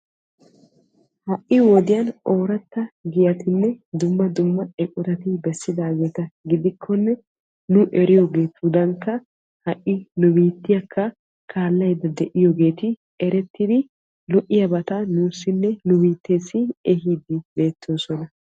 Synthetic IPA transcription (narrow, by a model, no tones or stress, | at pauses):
hɐʔːɪwɔd̪ɪjɐno̞ːɾɐt̪ːɐɡɪjɐt̪ɪnːɛd̪ʊmːɐd̪ʊmːɐɛkʼʊɾɐt̪ɪbɛsːɪd̪aːɡe̞ːt̪ɐɡɪd̪ɪkʰːɔnːɛ | nʊʔɛɾɪjɔɡe̞ːt̪ud̪ɐŋkːɐ | hɐʔːɪnʊbiːt̪ːɪjɐkʰːɐ | kʰaːlːɐjd̪ɐd̪ɛʔɪjɔɡe̞ːt̪ɪ | ɛɾɛt̪ːɪd̪ɪ | lɔʔɪjɐbɐt̪ɐnuːsːɪnːɛnʊbiːt̪ːe̞ːsːɪɛɦiːd̪ɪbe̞ːt̪ʰːo̞ːsɔnɐ